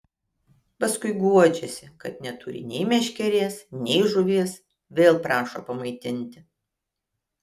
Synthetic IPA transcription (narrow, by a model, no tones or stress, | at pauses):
pɐskʊɪɡuɔd͡ʒʲɛsʲɪkɐt̪nʲɛt̪ʊɾʲɪ̰nʲɛɪmʲɛʃʲkʲɛɾʲeːsnʲɛɪʒʊʋʲiɛs | ʋʲeːlˠpɾɑːʃo̰pɐmɐɪt̪ʲɪnʲt̪ʲɪ